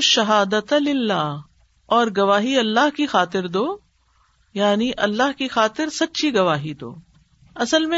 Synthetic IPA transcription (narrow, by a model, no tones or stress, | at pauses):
ʃɐɦaːd̪ət̪lɪlːaːɦ | ɔːɾɡɐʋaːɦiɐlːaɦkixaːt̪ɪɾd̪oː | jaːniʔɐlːaɦkixaːt̪ɪɾsɐtːʃʰiɡɐʋaːɦid̪o̰ː | ɐsəlmẽ